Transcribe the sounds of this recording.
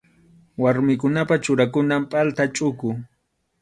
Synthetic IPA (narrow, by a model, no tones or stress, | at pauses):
waɾmɪkʊnapat͡ʃʊɾakʊnampʼalt̪at͡ʃʼʊkʊ